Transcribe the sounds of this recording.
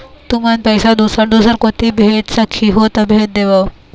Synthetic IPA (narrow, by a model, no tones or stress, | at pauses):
t̪umanpəjsad̪usəɾd̪usəɾkot̪ibʱeʈ̪səkʰiɦot̪əbʱet̪̚d̪eʋaw